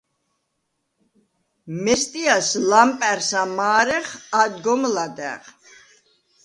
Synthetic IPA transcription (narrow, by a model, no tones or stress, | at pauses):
mɛst̪ʼiaslampʼɛɾsamaːɾɛχad̪ɡɔmlad̪ɛ̰ʁ